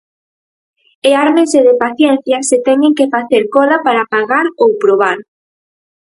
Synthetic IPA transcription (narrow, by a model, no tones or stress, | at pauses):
eaɾmeseðepaθjɛn̟θjɐset̪ɛɲeŋkefaθeɾkɔðapaɾapaɣaɾowpɾoβ̞aɾ